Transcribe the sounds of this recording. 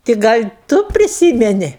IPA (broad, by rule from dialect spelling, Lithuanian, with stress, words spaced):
tʲɪ ˈɡɐlʲ ˈtʊ pʲrʲɪˈsʲiːmʲɛnʲɪ